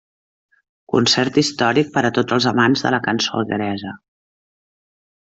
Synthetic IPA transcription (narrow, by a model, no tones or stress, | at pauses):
kunsɛɾt̪ist̪ɔɾik̚pəɾət̪od͡zəlˠzəmanzðə̰ləkənsoɣəɾɛzə